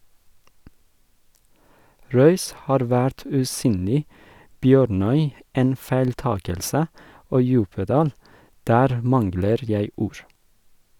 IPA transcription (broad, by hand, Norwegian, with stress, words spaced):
ˈɾœʏs ˈhɑːɾ ˈʋæɾt ʉːˈsyːnlɪ ˈbjøːɾˌnœʏ ˈeːn fæɪlˈtɑːkəlsə ˈoː ˈjʉːpəˌdɑːl ˈdæːɾ ˈmɑnɡləɾ ˈjæɪ ˈuːɹ